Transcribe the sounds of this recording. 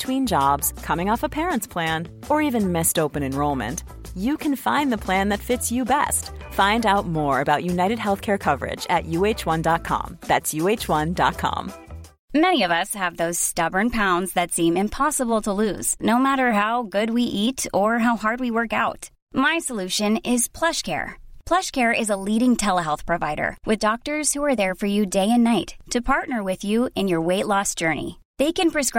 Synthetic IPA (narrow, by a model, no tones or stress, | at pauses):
tʰw̥ĩnd͡ʒɑbz̥kʰʌmɪ̃ŋɔfəpʰɛɹə̃ntspʰl̥æ̃n | ə˞ivɨ̃nmɪstoʊpɨ̃nɨ̃nɹoʊlˠmɨ̰̃nt | jɨkʰɨ̃nfãɪ̃nðɨpʰl̥æ̃nðɨtfɪtsjɨbɛ̰stfãɪ̃ndaʊt̚mɔɹɨbaʊʔjʉnaɪɾɨd̚ɦɛlˠθkʰɛɹkʰʌvə̰˞ɪ̰d͡ʒɨ̰ʔjʉeɪt͡ʃwʌ̃ndɑt̚kʰɑ̰̃mðætsjʉeɪt͡ʃwʌ̃ndɑ̰t̚kʰɑ̰̃m | mɛniʌvʌshɨvðoʊz̥stʌbə̃˞npʰãʊ̃ndzðɨtsĩmɨ̃mpʰɑsəbl̩ˠtʰəlʉ̰z̥noʊmæɾə˞ɦaʊɡʊd̚wiʔiɾə˞ɦaʊhɑɹd̚wiwɜ˞kaʊt | maɪsəlʉʃɨ̃nɪz̥pʰl̥ʌʃkʰɛ̰ɹpʰl̥ʌʃkʰɛɹɪzəliɾɪ̃ŋtʰɛlˠəɦɛlˠθpʰɹ̥ɨvaɪɾə̰˞wʔɨðdɔk̚tə˞z̥huə˞ðə˞fə˞jɨdeɪɨ̃nːaɪtʰːɨpʰɑɹtⁿnə˞wɪðjʉɨ̃njə˞weɪtˡlɔsd̥ʒ̥ɜ˞nḭ | ðeɪkɨ̃npʰɹ̥ɨskɹ